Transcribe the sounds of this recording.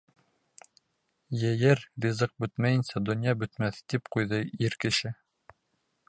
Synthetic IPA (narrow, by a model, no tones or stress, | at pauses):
jɘ̆jɘɾɾʲizɤq̚bɵt̪mæjɘ̆nsæd̪ŏnjɑbɵ̆t̪mæθt̪ipqujðɤiɾkɘ̆ʃɘ